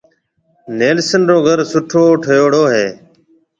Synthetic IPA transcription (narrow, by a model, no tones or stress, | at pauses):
neːlsənɾoːɡʱəɾsʊʈʰoːʈʰəjoːɽoːɦeː